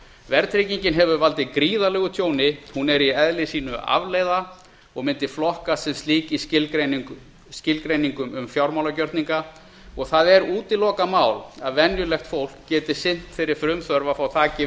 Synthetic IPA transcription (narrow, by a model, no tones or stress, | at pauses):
vɛɾt̪ʰɾeciɲcɪnɦɛvʏvalt̪ɪkɾiːðalɛɣʏt̪ʰjoːwnɪhunɛɾiɛðlɪsiːnʏa̰vleːjða | ɔɣmɪnt̪ɪflɔhkasɛmst̪liːcislen | scɪlkɾejniŋkʏmʏmfjawɾmawlacœɾt̪niŋka | ɔɣθaðɛɾuːt̪ɪlɔːkamaːwlaðvɛnjʏlɛxt̪fowl̥kcɛːt̪ɪ̥sɪn̥t̪fɪjɾɪɾ̥fɾʏmθœɾvafawt̪ʰaːcɪ